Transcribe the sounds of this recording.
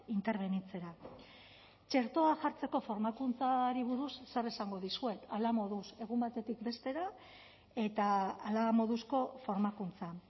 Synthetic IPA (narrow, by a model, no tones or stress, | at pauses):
int̪eɾβe̞nit͡se̞ɾa | t͡ʃe̞ɾt̪o̞aʝaɾt͡se̞ko̞fo̞ɾmakunt͡saɾiβ̞uɾusːeresaŋɡo̞ðisue̞t̪alamo̞ðuse̞ɣ̞umbat̪e̞t̪ikbe̞st̪e̞ɾa | e̞t̪aːlamo̞ðusko̞fo̞ɾmakunt͡sa